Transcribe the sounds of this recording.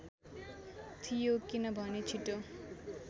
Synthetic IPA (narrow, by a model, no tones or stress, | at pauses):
t̪ʰijokinʌbʱʌnet͡ʃʰiʈo